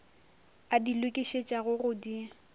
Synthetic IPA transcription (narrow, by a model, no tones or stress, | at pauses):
adilwʊkʼiʃet͡ʃʼaɣʊɣʊdi